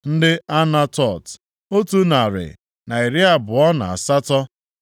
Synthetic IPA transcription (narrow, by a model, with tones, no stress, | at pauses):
n̩˦dɪ˦a˦na˦tɔ˦˨t | o˦tu˦na˨ɾɪ̰˨ | na˨i˨ɾɪ˦a˨bʊ˨ɔ˦na̰˨a̰˨sa˦tɔ˦